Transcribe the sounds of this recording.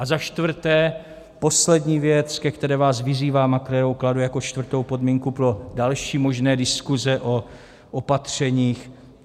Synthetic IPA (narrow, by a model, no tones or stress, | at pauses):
ʔazaʃt̪vr̩t̪ɛː | po̞slɛdɲiːvjɛt͡skɛkt̪ɛɾɛːvaːsvɪziːvaːmakɾɛɾowkladujako̞t͡ʃt̪vr̩t̪o̞wpo̞dmiːŋkupɾo̞dalʃiːmo̞ʒnɛːdɪskuzɛʔo | ʔopat̪r̝̥ɛɲiːx